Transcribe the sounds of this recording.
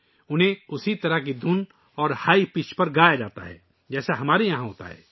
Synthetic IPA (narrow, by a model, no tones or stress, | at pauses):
ʊnɦẽʊsit̪ɐɾəkid̪ʱʊn | ɔːɾhaːipɪt͡ʃpɐɾɡaːjad͡ʒaːt̪a̰ɦɛː | d͡ʒɛːsaɦɐmaːɾejɐɦãɦo̰ːt̪a̰ɦɛ̰ː